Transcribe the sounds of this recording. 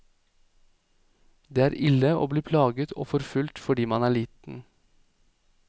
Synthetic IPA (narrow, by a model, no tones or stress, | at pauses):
d̪eːæːɾʔɪləo̰ːbliːpʰlɑːɡət̪ʰo̰ːfɔɾfʉlt̪fɔɖiːmɑnæːɭiːt̪n̩